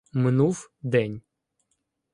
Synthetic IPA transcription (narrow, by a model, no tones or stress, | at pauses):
mɪnuwd̪ɛnʲ